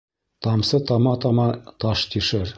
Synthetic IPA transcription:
t̪ɑmsɤt̪ɑmɑt̪ɑmɑt̪ɑʃt̪iʃɘɾ

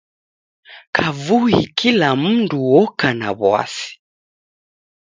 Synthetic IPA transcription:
kʰavuḭkʰilam̩nduwɔkana̰βwa̰si̥

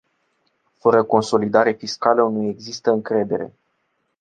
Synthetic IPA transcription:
fəɾəko̞nso̞lid̪aɾefiskaləunujeɡzist̪əɨŋkɾe̞d̪e̞ɾe̞̰

